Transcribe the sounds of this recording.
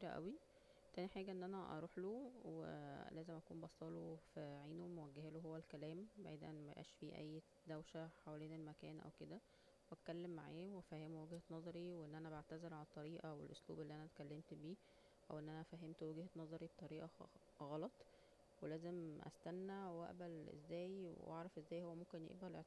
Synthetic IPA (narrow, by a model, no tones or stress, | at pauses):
biːɾæʔæ̰wi | t̪æːniħaːɡæʔenːʔænæʔɑ̰ɾˤuːħloːwḛlæːzemʔækuːmbɑsˤɑːlofæʕiːnomowæɡːeheːloɦowːælkælæːmbaʕd̪ʔænmæʔæ̰ːʃfiːʔæ̰jː | d̪æwʃæħawæleːnelmækæːnʔæ̰wked̪æ | wæt̪̚kælːemːaʕeːwefæhemuwæɡhænɑzˤɑɾiweʔenːʔænæbaʕt̪æzelʕalæt̪ˤːɑɾiːʔɑwḛlʔoslṵːbelːiːʔænæt̪kælːemt̪biː | ʔæ̰wʔenːʔænæfæɦemt̪wæɡhænɑzˤɑɾibet̪ˤɑɾiːʔɑ | ɣɑlɑt̪ˤ | welæːzemʔæ̰st̪ænːæwæ̰ʔbælʔḛzːæːjwḛʔɑ̰ʕɾˤɑfʔezːæːjhowːæmomkenjḛʔbælʔeʕ